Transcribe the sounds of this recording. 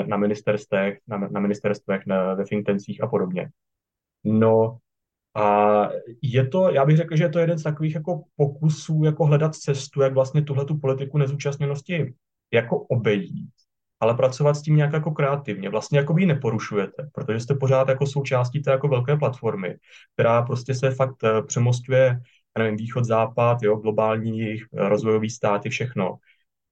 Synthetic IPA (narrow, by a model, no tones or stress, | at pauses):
namɪnɪst̪ɛɾst̪ɛxnanamɪnɪst̪ɛɾst̪vɛxvɛfɪŋk̚t̪ɛnst͡siːxapo̞do̞bɲɛ̰ | no | ʔa | jɛt̪o̞jaːbɪɣrɛkl̩ʒɛjɛt̪o̞jɛdɛnst̪ako̞viːxjako̞po̞kusuːjako̞ɦlɛdat̪t͡sɛst̪ujaɡvlast̪ɲɛt̪uɦlɛt̪upo̞lɪt̪ɪkunɛzuːt͡ʃast̪ɲɛno̞scɪ | jako̞ʔobɛjiːt̪̚ | ʔalɛpɾat͡so̞vat̪sciːmɲaːkjako̞kɾɛat̪ɪvɲɛvlast̪ɲɛjakobɪjɪnɛpo̞ɾuʃujɛt̪ɛpɾo̞t̪o̞ʒɛst̪ɛpo̞ɾaːt̪jako̞so̞wt͡ʃaːsciːt̪ɛːjako̞vɛlkɛːplat̪fo̞ɾmɪ̰k̚t̪ɛɾaːp̬ɾo̞scɛsɛfak̚t̪pr̝̥ɛmo̞scujɛ | jaːnɛvɪmviːxo̞t̪zaːpat̪jo̞ɡlo̞baːlɲiːjɛjɪxɾʔozvo̞jo̞viːst̪aːt̪ɪfʃɛxno̞̰